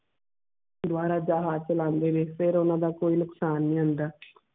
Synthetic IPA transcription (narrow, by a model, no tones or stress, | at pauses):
d̪waːɾaːd͡ʒaːɦaːzt͡ʃəlãːnd̪eːʋeːfɪɾʊnãːd̪aːkoːiːnʊksaːnːĩːɦənd̪aː